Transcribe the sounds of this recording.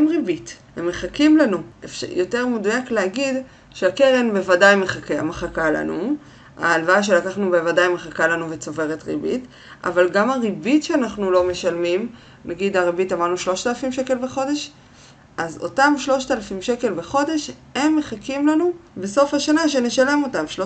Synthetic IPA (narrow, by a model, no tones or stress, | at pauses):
emʁibithemːeχakimlanuefjo̞te̞ʁmudujaklehaɡid | ʃeakeʁenbevadajmeχakea̰meχakala̰nṵ | a̰ːlvaaʃ̬e̞lakaχnubevadajmeχakalanuvet͡so̞ve̞ʁetʁḭbḭt | a̰valɡamaʁibitʃeanaχnulo̞me̞ʃalmim | nʔaɡidaʁibitamaʁnuʃlo̞ʃtalafimʃe̞ke̞lbeχo̞de̞ʃ | ʔazo̞̰tamʃlo̞ʃtalafimʃe̞ke̞lbeχo̞de̞ʃhe̞mːeχakimlanube̞so̞fhaʃanaʃe̞ne̞ʃale̞mo̞tamʃo